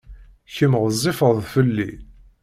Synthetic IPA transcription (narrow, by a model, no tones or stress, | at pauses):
çəmʁzˤːifəðˤfəlːi